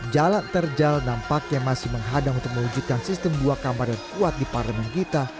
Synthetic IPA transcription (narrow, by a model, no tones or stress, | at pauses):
d͡ʒalant̪ərd͡ʒalnampakaŋmasɪhməŋɦadamunt̪ʊk̚məwud͡ʒut̪̚kansist̪əmduakamarjaŋkuat̪̚diparləmɛnkit̪a